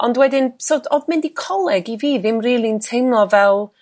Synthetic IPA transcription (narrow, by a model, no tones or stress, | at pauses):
ɔndwɛdɪnsoːdɔðmɪndikʰɔlˠɛɡiviːðɪmriːlˠintʰejmlˠɔvɛlˠ